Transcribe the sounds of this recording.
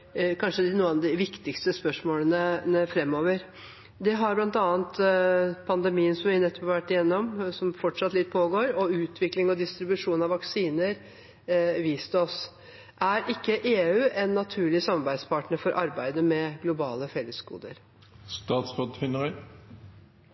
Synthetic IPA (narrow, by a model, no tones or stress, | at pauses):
kʰɑnʂəd̪ɪnuːəɑʋd̪ɪʋɪkt̪ɪkst̪əspœʂmoːlənəəfɾɛmːoːʋəɾ | d̪ɛɦɑɾblɑnt̪ɑːənt̪pʰɑnd̪əmiːənsɔmʋɪnɛt̪ːɔ̥pɑʋæʈːɪjɛnːɔmsɔmfɔʈʂɑt̪lɪt̪̚ːpʰoːɡoːɾɔʉːt̪ʰʋɪklɪŋɔd̪ɪst̪ɾɪbʉʂuːnɑʋːɑksiːnəɾ | ʋiːst̪ɔs | ʔæɾʔɪkːəʔeːʉːʔɛnːɑt̪ʰʉːɭɪsɑmɑɾbæɪd̪spɑʈnəɾfɔɾʔɑɾbæɪd̪əmɛɡlʊbɑːləfɛlːəsɡṵːd̪ə̰ɾ | st̪ɑːt̪sbɔt̪ːfɪnəʁœ